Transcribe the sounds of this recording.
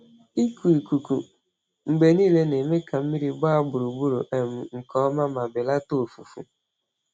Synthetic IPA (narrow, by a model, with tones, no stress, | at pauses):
i˦ku˨i˨ku˨ku˨ | ŋ͡m̩˨ɡ͡be˨niː˦˨le˦ne˨me˦ka˨m̩˦mi˦ɾi˦ɡ͡ba˦a˦ɡ͡bʊ˨ɾu˨ɡ͡bu˦ɾo˨ʔe˨m̩˨ŋ̩˨kɔ˦ma˦ma˨bɪ˨la˦to˦˨fu˨fṵ˨